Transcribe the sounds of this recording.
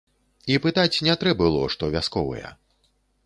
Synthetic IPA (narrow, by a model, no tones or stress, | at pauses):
ipɨt̪at͡sʲnʲɛt̪ɾɛbɨlˠɔʂt̪ɔvʲaskɔvɐ̰jɛ̰